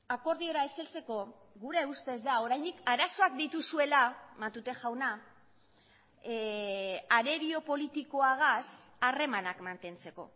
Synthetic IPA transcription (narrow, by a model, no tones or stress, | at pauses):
ako̞ɾð̞io̞ɾaeselt͡se̞ko̞ | ɣuɾe̞ust̪e̞zd̪ao̞ɾajnd̪ikaɾaso̞ak̚d̪it̪usue̞lamat̪ut̪e̞ʝawna | aɾe̞ɾio̞po̞lit̪iko̞aɣ̞asare̞manakmant̪e̞nt͡se̞ko̞̰